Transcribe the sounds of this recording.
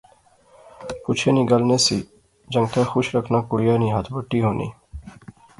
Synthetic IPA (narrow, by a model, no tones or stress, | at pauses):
put͡ʃʰeniɡəlnesi | d͡ʒəŋt̪ʰaxuʃɾəkʰnakuɽijaniɦat̪ʰbəʈːiɦoːnḭː